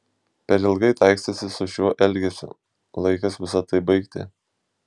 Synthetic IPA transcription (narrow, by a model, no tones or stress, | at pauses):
pʲɛɾɪlˠɡɐɪt̪ɑˑɪksʲt̪ɐsʲɪsʊʃʲuːʔɛlʲɡʲɛsʲʊ̰ | lˠɐɪkɐsʋʲɪsɐt̪ɐɪbɐɪkt̪ʲɪ̰